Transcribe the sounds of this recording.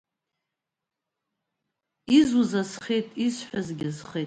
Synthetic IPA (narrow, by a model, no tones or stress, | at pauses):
izuzasχejtʼizħʷᶣazɡʲazχejtʼ